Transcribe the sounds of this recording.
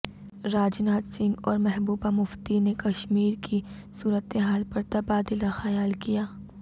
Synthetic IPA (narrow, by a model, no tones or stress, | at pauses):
ɾaːd͡ʒnaːt̪sɪ̃ŋɡɔːɾmɛɦbuːbamʊft̪inekɐʃmiːɾkʰi | suːɾət̪eɦaːlpɐɾt̪ɐbaːd̪ɪlaxɐjaːlkijaː